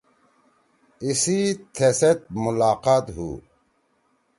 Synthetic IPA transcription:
isit̪ʰeset̪̚mulaːqaːt̪ɦṵː

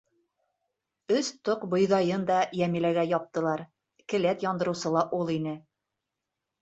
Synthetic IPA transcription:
ɵst̪oqbŏjðɑjɤnd̪ɑjæmilæɡæjɒp̚t̪ɤ̆lˠɑɾ | kɘ̆læt̪jɒnd̪ɤ̆ɾɤ̆wsɤlˠɑʔulˠinɘ

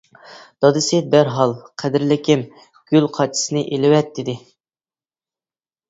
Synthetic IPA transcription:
d̪̥ɑd̪ɨsɪbæɾɦɑlˠqʰæd̪ɪɾlɪkʲɪm | ɡ̥ʲylqʰɑt͡ʃʰːi̥sɨnɪʔelɪwɛt̪ʰːɪd̪ɪ

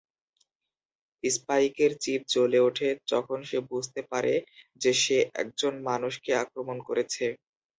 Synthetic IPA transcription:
ispaikeɾt͡ɕip̚t͡ɕoleuʈʰed͡ʑɔkʰonʃebud͡ʑʱt̪epaɾʔed͡ʑeʃeʔɛ̰k̚d͡ʑonmanuʃkeakɾomonkoɾet͡ɕʰe

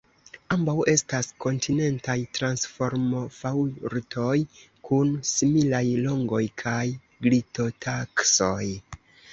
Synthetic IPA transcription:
ambawe̞stasko̞ntʰine̞ntajtɾansfo̞ɾmo̞fawɾtʰo̞j | kʰunsimilajlo̞ŋɡo̞jkʰaj | ɡlito̞takso̞j

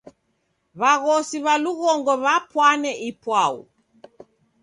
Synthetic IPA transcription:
βaɣɔsiβaluɣɔŋɡɔβapwanɛʔipwaṵ

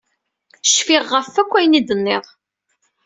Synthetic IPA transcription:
ʃfɪʁːəfːækʷːæjnid̪ənːɪʁ

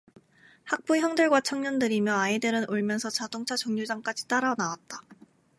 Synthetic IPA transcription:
hak̚p͈uçjʌŋdɯɭɡwat͡ɕʰʌŋɲʌndɯɾimjʌaideɾɯnʔoɭmjʌnsʰʌt͡ɕadoŋt͡ɕʰat͡ɕoŋɲud͡ʑaŋk͈ad͡ʑi̥t͈aɾanawat̚t͈a

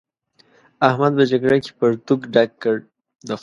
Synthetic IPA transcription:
ahmad̪̚pəd͡ʒaɡɽake̥pəɾt̪ukɖakːəɾ | d̪ə

